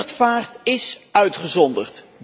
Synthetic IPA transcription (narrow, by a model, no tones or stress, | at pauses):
tfaːrtɪsœɥtχəzɔndəχt